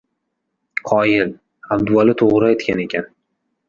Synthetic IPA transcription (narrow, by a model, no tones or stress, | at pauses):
qʰɒjɪl | ab̚d̪ʊalɪt̪ʰoʁɾajt̪kʲane̞kʲʰan